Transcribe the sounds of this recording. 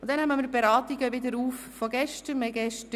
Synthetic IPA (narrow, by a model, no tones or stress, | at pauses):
ʊntd̥̪ɛnhɛməmɪːɾbeɾɑːt̪iɡəʋɪd̪əɾuːfːɔɡ̥ɛʃtəmɛɡɛʃt